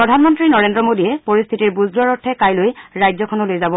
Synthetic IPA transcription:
pɹɔdʱanmɔntɹinɔɹendɹɔmodiɛpoɹist̪ʰitiɹbuzɡaɹɔtʰːɛkajlojɹajzɔkʰɔnɔlojzabɔ

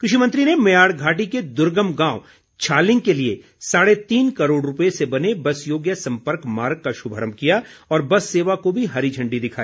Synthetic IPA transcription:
kɾɪʃimə̃nt̪ɾinemɐjaːɽɡʱaːʈiked̪ʊɾɡəmɡãːʊ | t͡ʃʰaːlɪ̃ŋɡ̚kelie | saːɽet̪iːnkɐɾoːɽɾʊpəesebɐnebɐsjoːɡjəsɐ̃mpəɾkmaːɾɡ̚kaʃʊbʱəɾəmkijaɔːɾbɐsːeːʋakobʱiɦɐɾid͡ʒʱɐ̃ɳɖid̪ɪkʰaːiː

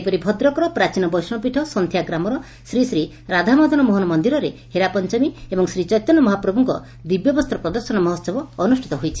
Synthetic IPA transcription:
pɔɾibʱɔd̪ɾɔkɔɾɔpɾat͡ʃinɔbɔjsmɔpiʈʰɔsɔnt̪ʰjaɡɾamɔɾɔ | sɾisɾi | ɾad̪ʱamɔd̪ʱɔnɔmoɦɔnɔmɔnd̪iɾɔɾeheɾapɔnt͡ʃɔmiebɔŋsɾit͡ʃɔjt̪ɔnːɔmɔɦapɾɔbʱuŋkɔ̰ | d̪ibjɔbɔst̪ʰɾɔpɾɔd̪ɔɾsɔnɔmɔɦɔsɔbɔːnusʈʰit̪ɔɦojt͡ʃʰi̥

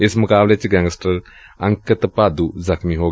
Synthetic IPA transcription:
esmɐkablet͡ʃiɡaŋstɐɾ | aŋkɐt̪ɐpad̪uzakʰmiɦoɡ

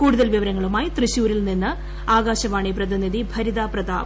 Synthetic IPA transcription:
kuːɽuðɐlʋiʋɐɾɐŋːɐɭumaːjit̪rɨɕuːɾilninːɨ | aːɡaːɕɐʋaːɳiprɐðiniðibʱɐɾiðaːprɐða̰ːʋ

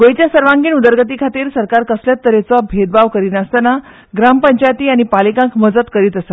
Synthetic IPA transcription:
ɡojt͡ɕ̪jasəɾʋãŋɡiːnud̪əɾɡət̪iːkʰat̪iːɾsəɾkaɾkəsljat̪ːəɾet͡sɔbʱed̪̚baʋkəɾiːnast̪əna | ɡɾampəɲt͡ɕajt̪iːañipalikãŋkməd͡zət̪kəɾiːt̪əsa

